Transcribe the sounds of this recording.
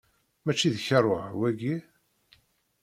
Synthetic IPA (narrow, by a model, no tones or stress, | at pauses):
mæt͡ʃːiðçərˤːoʕwæɡi